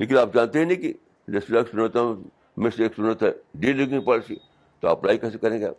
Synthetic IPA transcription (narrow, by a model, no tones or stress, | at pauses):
leːk̬ɪnaːp̚d͡ʒaːnt̪eɦɛ̃nĩki | d͡ʒesɾeksʊnət̪ː | meseːksʊnət̪ɛɖiːliɡnĩpɐɽsi | t̪oa̰ːplaːikɛːs̬ekɐɾẽːɡa̰ː